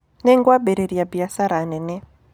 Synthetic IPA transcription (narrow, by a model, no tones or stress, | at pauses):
nɛŋɡwabɛɾeɾiabiasaɾanɛnɛ